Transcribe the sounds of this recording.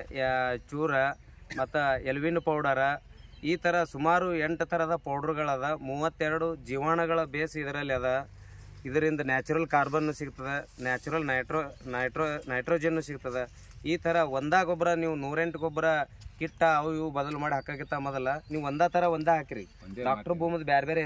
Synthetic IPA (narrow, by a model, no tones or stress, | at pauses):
t͡ʃuːɾɐ | ɐt̪ːɐelʋinːupɐwɽɐɾɐ | iːt̪ʰɐɾɐsumaːɾue̞ɳʈt̪ʰɐɾɐd̪ɐpɐwɽɐɾuɡɐɭaːd̪ɐmuːʋɐt̪ːɛɾɐɽud͡ʒiːʋaːɳɐɡɐɭɐbeːsid̪ɐɾɐlːiaːd̪ɐ | id̪ɐɾind̪ɐnaːt͡ʃuɾɐlkaːɾbɐnːusiɡut̪ːɐd̪enaːt͡ʃuɾɐlnɐjʈɾonɐjʈɾonɐjʈɾoːd͡ʒɐnːuːsiɡut̪ɐd̪e | iːt̪ʰɐɾɐʋond̪aːɡɔbɐɾɐniːʋunuːɾe̞ɳʈuɡɔbːɐɾɐ | kiʈːɐɐʋjubɐd̪ɐlumaːɽiɦɐkːaːɡit̪ːamɔd̪ɐlːɐniːʋuɔnd̪aːt̪ʰɐɾɐond̪eɦaːkiɾḭ | ɖaːkʈɐɾbʱuːmɐd̪ɐbeːɾebeːɾe